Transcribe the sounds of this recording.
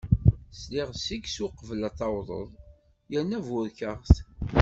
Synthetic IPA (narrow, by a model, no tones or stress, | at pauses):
slɪʁsiɡsuqəvəlɑθˤɑwðˤə̰ðˤ | jænːævʊɾkəʁθ